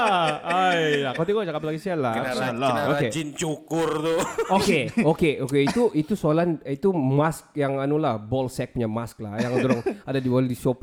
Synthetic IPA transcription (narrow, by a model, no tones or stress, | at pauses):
aajakot̪iɡot͡ʃakaplaɡisialaalaaoked͡ʒint͡ʃukʊrt̪uokeokeʔokeit̪uʔit̪usoalanit̪umask̚jaŋanulahbɔlsɛk̚puɲamask̚lajaŋdoɾʊŋadadiboldisop̚